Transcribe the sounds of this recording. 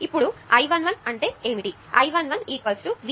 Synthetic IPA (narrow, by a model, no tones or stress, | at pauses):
ipːuɽuɐjʋɐnʋɐnɐɳʈe̞ːeːmiʈi | ɐjʋɐnʋɐniːkɐlsʈuʋ